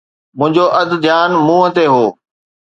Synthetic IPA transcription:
mʊ̃ɦɪ̃ɲd͡ʑoʔɐd̪ʱd̪ʱjaːnmũːɦə̃t̪eɦoː

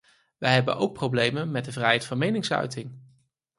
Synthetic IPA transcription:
ʋəjɦɛbə̰nʔowk̚prowblejmənmɛd̚dəvrɛjɦɛjtfɑnmejnɪŋsœ̰ɥtɪŋ

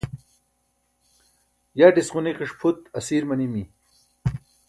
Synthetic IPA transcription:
jaːɖisʁuniqiʂpʰut̪ɐsiːɾmɐnimi

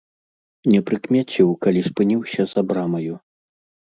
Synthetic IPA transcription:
nʲɛpɾɨkmʲat͡sʲiwkalʲispɨnʲiwsʲɐzabɾamɐju

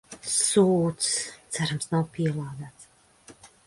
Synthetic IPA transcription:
suːt̪st̪sæɾamsnawpiɛlˠaːd̪æːt̪s

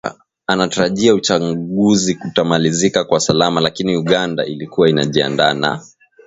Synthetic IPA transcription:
anataɾaʄiaut͡ʃaɠuzikutamalizikakwasalamalakiniuɠanda̰ʔilikuwaina̰ʄia̰ndana̰

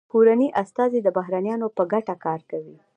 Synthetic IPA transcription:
kuɾaniʔast̪ɑzid̪əbaɦɾanjɑnopəɡaʈakɑɾkawi

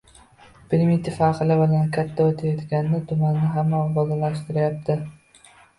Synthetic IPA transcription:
b̥ɪmɪt̪ʰɪfaqɨlɪbʊlankʲʰat̪ʰːaot̪ʰajɒt̪ɡʲannɪt̪ʰʊmanːɪɦamːabɒd̪alaʃt̪ɪɾɪjap̚t̪ʰɪ

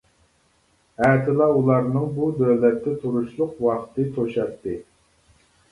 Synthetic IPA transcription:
æːt̪ʰɪlˠɑulˠɑɾnɨŋbud̪øwlɛt̪ːɛt̪ʰuɾuʃlˠʊqwɑqt̪ʰɨt̪ʰoʃɑt̪ʰːɨ

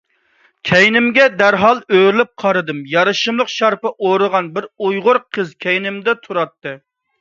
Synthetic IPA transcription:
kʲʰɛjnɪmɡʲɛd̪æɾɦɑlˠøɾlɪp̚qʰɑɾɨd̪ɨmjɑɾɨʃɨmlˠəqʃɑɾpɨʔoɾɨʁɑnbɪɾujʁʊɾqʰəzkʲʰɛjnɪmd̪ɛt̪ʰuɾɑt̪ːɨ

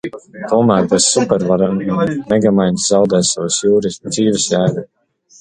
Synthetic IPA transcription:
t̪uɔmæːɾbɛssupɛɾvaɾannnɛɡamajnszawd̪ɛːsavusjuːɾisd̪z̥iːvisjæːɡu

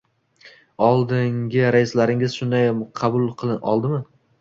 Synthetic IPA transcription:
ɒlˠd̪ɪŋɡʲɪɾajɪslaɾɪŋɪz̥ʃʊnd̪ajqʰɑbʊlˠqʰɨlˠɪʔɒlˠd̪ɪmɪ

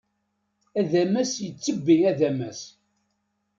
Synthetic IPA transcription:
æðæmæsjət͡sːəbːiæðæmæs

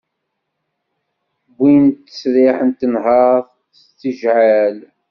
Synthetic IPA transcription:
bʷːint̪ːə̥sɾɪħənt̪ːənɦɑðˤ | st͡sːiʒʕal

